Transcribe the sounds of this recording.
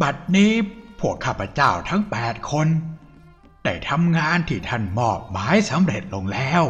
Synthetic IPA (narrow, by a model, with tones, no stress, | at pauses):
ba˨˩t̪̚niː˦˥pʰu˨˩əkʰːa˨˩pːa˧t͡ɕaː˧˩wt̪ʰa˦˥ŋpɛː˨˩t̪̚kʰo˧n | t̪ɛ̰˨˩t̪ʰa˧mŋaː˧nt̪ʰiː˧˩t̪ʰa˧˩nmɔː˨˩p̚maː˨˦˥jsa˨˦mɾe˨˩t̪̚lo˧ŋlɛː˦˥w